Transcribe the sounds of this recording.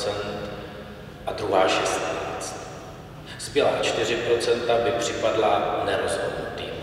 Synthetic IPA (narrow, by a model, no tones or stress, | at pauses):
t͡sɛnt̪ | ʔad̪ɾuɦaːʃɛst̪naːt͡st̪ | sbjɛlaːt͡ʃt̪ɪr̝ɪpɾo̞t͡sɛnt̪abɪpr̝̥ɪpadlanɛɾo̞zɦo̞dnut̪iː